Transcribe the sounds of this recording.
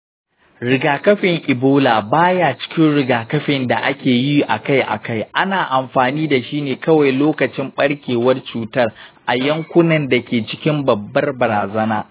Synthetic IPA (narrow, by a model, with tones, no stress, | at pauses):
ɾɪ˨ɡaː˨kɐ˦ɸɪ˨ŋʔɪ˨boː˦laː˨baː˦jaː˦t͡ʃɪ̥˦kʲɪ˦nɽɪ˨ɡaː˨kɐ˦ɸɪ˨nda˨ʔa˦kʲeː˨ji˦ʔa̰˨ka˦jʔa̰˨ka˦˨jʔa˦naː˨ʔa˨mɸaː˨niː˦da˨ʃiː˦neː˨kɐ˦wa˨jloː˦kɐ˨t͡ʃɪ˦mɓɐ˦ɽkʲeː˨wɐ˦rt͡ʃuː˨tɐ˦rʔa˨jɐ˦ŋkʷʊ˦nɐ˨nda˨kʲeː˨t͡ʃɪ˦kʲɪ˦mbɐ˨bːɐ˦rbɐ˨ɾaː˨zɐ˦naː˦